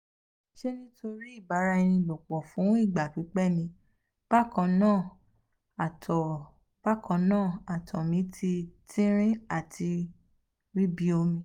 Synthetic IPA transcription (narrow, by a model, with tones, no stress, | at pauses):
ʃe˦nĩ˦tʰo˧ɾi˦i˦˨ba˨˦ɾa˧i˧nĩ˧bɔ˨k͡pɔ˨fũ˨˦i˦˨ɡ͡ba˨fi˨˦k͡pɛ˦˨nĩ˧ | b̥a˦kã˨˧nãː˦˨ | tɔ˨ | b̥a˦kã˧nãː˦˨a˨tʰɔ˨mĩ˨˦tʰi˧tʰĩ˦ɾ̃ĩ˦a˦˨tʰi˧ | ɾi˦bi˧˦o˧mĩ˧˦